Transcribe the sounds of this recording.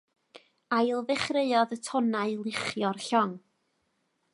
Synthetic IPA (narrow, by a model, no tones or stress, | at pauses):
ajlˠvɛχreɨɔðətʰɔnaɨlˠɪχjɔrɬɔŋ